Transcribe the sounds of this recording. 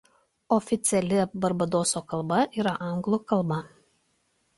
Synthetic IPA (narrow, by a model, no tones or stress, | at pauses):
ɔfʲɪt̪sʲɪɛlʲɪbɐɾbɐd̪oːsokɐlˠbɐʔiːɾɐʔɑŋɡlˠʊkɐlˠbɐ